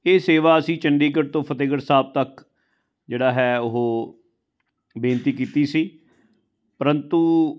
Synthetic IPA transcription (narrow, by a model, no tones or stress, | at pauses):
eːseːʋaːəsĩːt͡ʃəɳɖiːkəɾt̪õːpʰət̪eːɡəɾsaːb̚t̪ək | d͡ʒeːɽaːɦɛːʊɦoː | beːnt̪iːkiːt̪iːsiː | pəɾənt̪uː